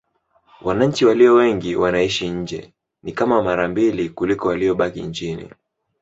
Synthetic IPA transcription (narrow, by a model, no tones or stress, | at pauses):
wanaɲ̩t͡ʃiwaliɔwɛŋɡiwanaiʃiɲ̩d͡ʒɛ̰ | nikamamaɾambilikulikɔwaliɔɓakḭɲt͡ʃinḭ